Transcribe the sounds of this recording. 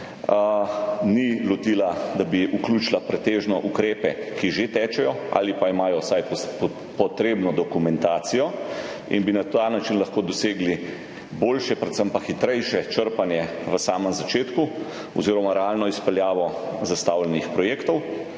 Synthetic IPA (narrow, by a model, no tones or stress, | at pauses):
nilɔt̪iːlad̪abiuklut͡ʃlapɾɛt̪eːʒnɔʔukɾeːpɛkiʒet̪ɛːt͡ʃɛjɔa̰ːlipaimaːjɔsaj | pɔt̪ɾeːbnɔd̪ɔkumɛnt̪aːt̪sijɔ | ḭnbinat̪anat͡ʃinlaxkoːd̪ɔseːɡli | boːlʃɛpɾɛt̪səmpaxit̪ɾɛjʃɛt͡ʃəɾpanjɛʋəsaːməmzat͡ʃeːt̪ku | ɔ̰ziːɾɔmaɾɛalnɔispɛljaːʋɔzast̪awlɛnixpɾɔjeːkt̪ɔw